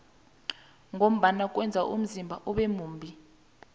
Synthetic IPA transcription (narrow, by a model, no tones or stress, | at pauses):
ŋʱom̩ɓanakʼwɛnd͡zʱaʔṵm̩zimbʱaʔɔɓɛmuːmbʱi